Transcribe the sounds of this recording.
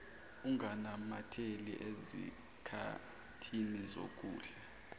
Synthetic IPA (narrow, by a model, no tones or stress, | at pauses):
uŋanamatʰelḭʔezḭ | kʰa̰ | tʰinizo̰k̬ʼuːɬɛ